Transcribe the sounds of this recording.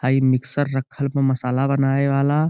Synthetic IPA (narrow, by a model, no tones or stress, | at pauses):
aimiksəɾːəkʰːəlmẽməsalabənaeʋala